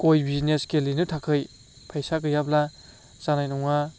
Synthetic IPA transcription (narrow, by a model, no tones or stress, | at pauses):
kojbizneskelinɯtʰakʰɯj | pʰajsakɯjabla | zanajnɔŋa